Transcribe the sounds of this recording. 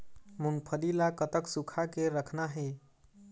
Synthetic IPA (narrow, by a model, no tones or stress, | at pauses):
mʊnpʰəlilakət̪əksukʰakeɾəkʰnaɦe